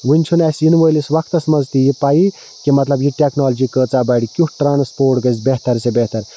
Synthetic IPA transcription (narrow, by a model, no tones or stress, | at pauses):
ʋunʲt͡ʃʰunɐsʲjinʋəjlisʋɐkʰt̪ɐsmɐzt̪ijipaji | kimɐt̪lɐbjiʈʲeknaːld͡ʒikəːt͡sabɐɽikʲuʈʈɾaːnspoːʈɡəzʲbeht̪ɐɾsebeht̪ɐɾ